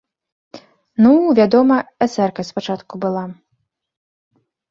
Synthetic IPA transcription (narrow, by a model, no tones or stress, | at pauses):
nuvʲad̪ɔmɐɛt̪sɛrkɐspat͡ʂat̪kubɨlˠa